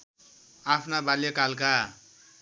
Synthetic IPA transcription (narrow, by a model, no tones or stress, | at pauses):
apʰnabaljekalka